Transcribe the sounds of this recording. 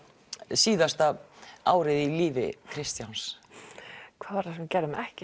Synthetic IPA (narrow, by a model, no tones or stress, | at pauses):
siːðast̪aaːwɾɪðiliːvɪ̰kʰɾɪst̪jans | kʰv̥aːðvaɾ̥θascɛːɾʏmɛhcɪ